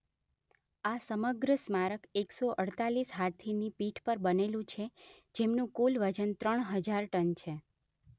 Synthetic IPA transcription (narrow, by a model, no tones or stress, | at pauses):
asəməɡɾəsmaɾəkeksoʔəɽt̪alisɦaɾt̪ʰinipiʈʰpəɾbənelũt͡ʃʰe | d͡ʒemnũkulʋəd͡ʒənt̪ɾəɳɦəd͡ʒaɾʈənt͡ʃʰe